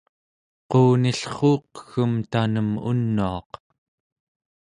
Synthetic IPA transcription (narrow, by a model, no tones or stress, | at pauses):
quːniɬχoːqə̥xəmt̪anəmṵnːuɑq